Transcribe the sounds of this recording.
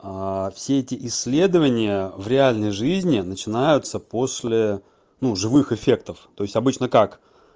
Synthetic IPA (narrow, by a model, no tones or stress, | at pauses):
afsʲeɛtʲɪʔɪsʲːlʲe̞d̪əvənʲɪjəvɾʲɪalʲnəjʐɨzʲnʲɪnət͡ɕɪnajʊt̪səposʲlʲɪ | nuʐɨvɨxɪfʲe̞k̚t̪əft̪o̞ɪsʲtʲɐbɨt͡ɕnəkak